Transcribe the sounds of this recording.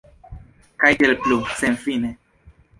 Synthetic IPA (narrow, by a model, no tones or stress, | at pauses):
kajdelplusenfine